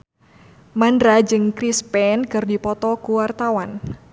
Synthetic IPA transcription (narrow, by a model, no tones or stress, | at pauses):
mandɾad͡ʒɨŋkɾispɛnkɨrdipɔt̪ɔkuwart̪awan